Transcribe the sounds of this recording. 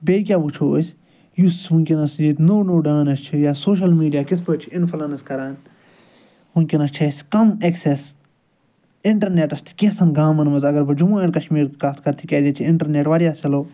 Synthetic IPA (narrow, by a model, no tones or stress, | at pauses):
beːk̬ʲaːbut͡ʃʰoːsʲ | jusmunʲkʲinɐsd͡ʒiːt̪noːnoːɖaːnɐst͡ʃʰijaːsoːʃ̬ɐlmiːɖijaːkisʰbɐt͡ʃʰiɪnfʰɐlɐnɐskɐɾaːn | ɦunʲkʲinɐst͡ʃʰɐsʲkɐmekseːs | ɪɳʈɐɾneːʈɐst̪ʰi̥kʲisʰɐnɡaːmɐnmɐzɐɡɐɾbɨd͡ʒumaːɐnkɐʃmiːɾkat̪ʰkɐɾt̪ʰikʲɐːd̪iːt͡ʃʰiɪɳʈɐɾneːʈʋaːɾjaːst͡ʃɐloː